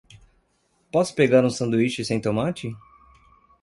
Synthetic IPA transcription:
pɔsʊ̥peɡaɾũsɐ̃nd̪uit͡ʃɪsẽj̃t̪omat͡ʃɪ

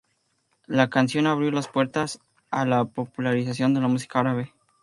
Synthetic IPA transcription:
lakansjo̞naβɾjo̞laspwe̞ɾt̪as | alapo̞pulaɾis̬asjo̞nd̪e̞lamus̬i̥kaaɾaβe

